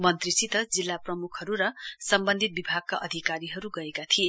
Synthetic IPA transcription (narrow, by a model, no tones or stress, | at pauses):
mʌnt̪risit̪ʌd͡zilːaprʌmukʰʌɾuɾʌsʌmbʌnd̪ʱit̪̚bibʱaɡ̚kaʔʌd̪ʱikaɾiɦʌɾuɡʌekat̪ʰie